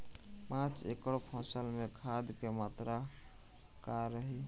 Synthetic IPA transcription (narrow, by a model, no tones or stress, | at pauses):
pãt͡ʃḛkəɽpʰəsəlmekʰad̪kemat̪ɾa | kaɾəɦi